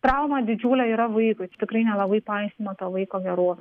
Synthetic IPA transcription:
t̪ɾɐʊmɐd̪ʲɪd͡ʒʲuːlʲɛiːɾɐʋɐɪkʊɪt̪ʲɪkɾɐɪnʲɛlˠɐbɐɪpɐɪsʲt̪ʲɪmɐt̪oːʋɐɪkoːɡʲɛɾoːʋʲɛ

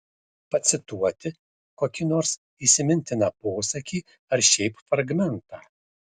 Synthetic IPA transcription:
pɐt̪sʲɪt̪uɔt̪ʲɪ | koːkʲiːnoːɾs | iːsʲɪmʲɪnʲt̪ʲɪnɑpoːsɐkʲiː | ɐɾʃʲɛɪpfɾɐɡmʲɛnt̪ɑː

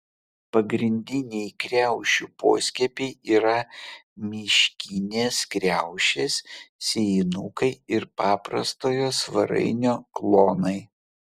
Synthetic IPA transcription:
pɐɡɾʲɪnʲd̪ʲɪnʲɛɪkɾʲæˑʊʃʲuːpo̰ːsʲkʲɛpʲɛɪiːɾɐmʲɪʃʲkʲinʲeːskɾʲæˑʊʃʲeːssʲenukɐɪɪɾpɑːpɾɐ̰st̪oːjoːsʋɐɾɐ̰ɪnʲoːklˠoːnɐɪ

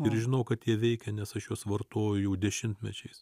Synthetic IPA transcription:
ɪɾʒʲɪnɐʊkɐt̪jʲiɛʋʲɛɪkʲɛnʲɛsɐʃjoːsʋɐrt̪oːjʊjɛʊd̪ʲɛʃʲɪmʲt̪ʲmʲɛt͡ʃʲɛɪs

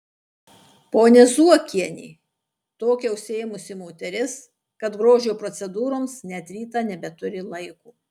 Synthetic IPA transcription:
poːnʲɛzuɔkʲiɛnʲḭː | t̪oːkʲɛʊsʲeːjmʊsʲɪmoːt̪ʲɛɾʲɪs | kɐt̪ɡɾoːʒʲoːpɾɔt̪sʲɛd̪uːɾoːmsnʲɛt̪ɾʲiːt̪ɑːnʲɛbʲɛt̪ʊɾʲɪlˠɐɪkuː

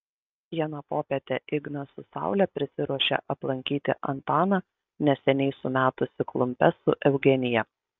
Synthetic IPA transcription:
jɛnɐpoːpʲɛt̪ʲeʔɪɡnɐsʊsɑ̰ˑʊlʲɛpʲɾʲɪsʲɪɾuɔʃʲḛʔɐplˠɐŋʲkʲiːt̪ʲɪ̰ʔɐ̰nt̪ɑːnɑ | nʲɛsʲɛnʲɛɪsʊmʲæːt̪ʊsʲɪklˠʊmʲpʲɛsʊʔɛʊɡʲɛnʲɪjɛ

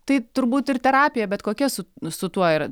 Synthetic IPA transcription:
t̪ɐɪt̪ʊɾbuːt̪ɪrt̪ʲɛɾɑːpʲɪjɛbʲɛt̪koːkʲɛsʊsʊt̪uɔɪr

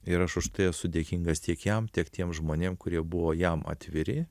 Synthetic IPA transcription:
ɪɾɐʃʊʃt̪ɐɪɛsʊd̪ʲeːkʲiŋɡɐst̪ʲiɛkjɛmt̪ʲiɛkt̪ʲiɛmʒmoːnʲeːmkʊɾʲiɛbʊʋoːjɛmɑ̰ːt̪ʲʋʲɪɾʲɪ

